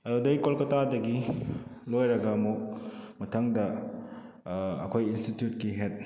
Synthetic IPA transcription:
ɐdudɐjkolkɐtadɐɡi | lojɾɐɡɐɐmuk̚mɐtʰɐŋdɐ | ɐ̰kʰojinstitjut̚kiɦet̚

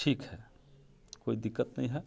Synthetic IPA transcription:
ʈʰiːkɦɛː | koːid̪ɪkːət̪nɐ̰ɦĩɦɛː

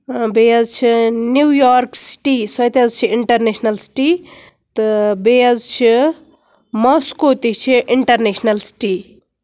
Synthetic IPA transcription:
beɐzt͡ʃʰinujaːɾksi̥ʈisɐjt̪ɐzt͡ʃʰiiɳʈɐɾnesnɐlsi̥ʈi | t̪ɨbejɐzt͡ʃʰi | mɔskot̪it͡ʃʰiʔiɳʈɐɾnesnɐlsi̥ʈi

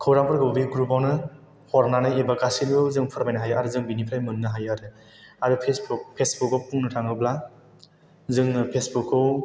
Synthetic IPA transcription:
kʰɯwɾaŋpʰɯɾɡɯbiɡɾupawnɯ | hɔɾnanɯjebakasinɡɯwzɯŋpʰɯɾbajnaɦajaɾɯzɯŋbinipʰɾajmɯnːɯɦajaɾɯ | aɾɯpʰesbupʰesbukːɯwpuŋnɯtʰaŋɯbla | zɯŋpʰesbukːɯw

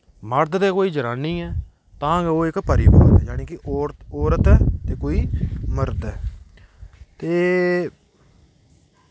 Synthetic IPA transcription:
məɾd̪t̪eːkoːiːd͡ʒəɾaːniːɛː | t̪ãːɡoːɪkpəɾɪba̰ːɾɛ̰ːd͡ʒaːniːkɪʔoɔːɾət̪ɛːt̪eːkoːiːməɾd̪ɛː | t̪eː

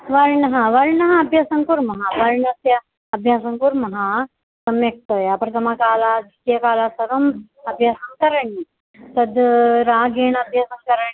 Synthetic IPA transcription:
ʋɐɾɳɐɦãʋɐɾɳɐɦãɐbʱjasɐŋkuɾmɐɦaʋɐɾɳɐsja | ɐbʱjasɐŋkuɾmɐɦa | sɐmjɐk̚t̪əjapɾɐt̪ʰɐmakaːlad͡ʒik̪jɐkaːlasɐɾɐm | ɐbʱjaːsɐŋkɐɾəɳi | t̪ɐd̪ɾaːɡeɳɐbʱjaːsɐŋkɐɾəɳi

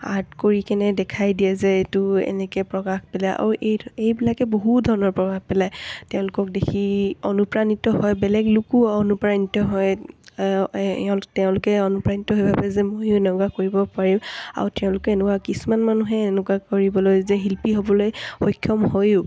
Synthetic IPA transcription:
a̰ɹtkoɹikɛnɛdɛkʰajdijɛzɛetʊɛ̰nɛkɛpɹɔkaxpɛlaʔa̰ɹuʔejejbilakɛboɦutdʱɔɹɔnɔɹpɹɔbʱax̚pɛlajtɛʊ̃lʊkɔk̚dekʰionupɹanitɔɦɔjbɛlɛɡlukuɔnupɹanitɔɦɔj | ɛʊ̃tɛʊ̃lʊkɛɔnupɹanitɔɦojbʱabɛzɛmojʊnɔɡakoɹibɔpaɹima̰ɹutɛʊ̃lʊkɛenɛkwakisumanmanuɦɛnɛkakoɹibɔlojzɛɦilpiɦobɔlojxɔjkʰːjɔmhojʊ

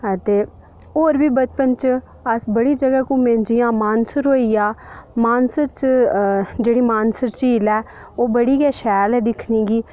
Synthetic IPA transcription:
ət̪eː | oːɾbiːbət͡ʃpənt͡ʃ | əsbəɽiːd͡ʒəɡaːkũːmẽːɲd͡ʒijãːmaːnsəɾɦoːiːaːmaːnsəɾt͡ʃ | d͡ʒeːɽiːmaːnsəɾt͡ʃiːlɛː | oːbəɽiːɡɛːʃɛːlɛːd̪ɪkʰniːɡiː

